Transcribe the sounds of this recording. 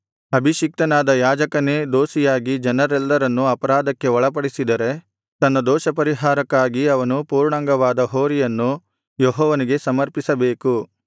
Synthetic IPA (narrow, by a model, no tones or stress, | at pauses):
ɐbʱiʃik̚t̪ɐnaːd̪ɐjaːd͡ʒɐkɐneːd̪oːsijaːɡid͡ʒɐnɐɾɛlːɐɾɐnːuɐpɐɾaːd̪ɐkːe̞ɔɭɐp̬ɐɽisid̪ɐɾe̞ | t̪ɐnːɐd̪ɔːʃɐpɐɾiɦaːɾɐkːaːɡiɐʋɐnupuːɾɳaŋɡɐʋaːd̪ɐɦoːɾijɐnːu | jɔɦɔːʋɐniɡe̞sɐmɐɾpisɐbeːku